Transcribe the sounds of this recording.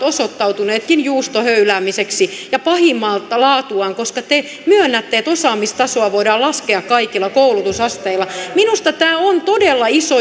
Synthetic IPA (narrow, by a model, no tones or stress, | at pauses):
osot̪ːɑut̪uneːt̪kinjuːst̪ohøylæːmiseksijɑpɑhimːɑlt̪lɑːt̪uɑŋkoskɑt̪e | myønːæt̪ːeet̪osɑːmːist̪ɑsoɑʋoidɑːlɑskeɑkkɑikilːˑɑkoulut̪usɑst̪eilːˑɑminust̪ɑt̪æːont̪odelːɑiso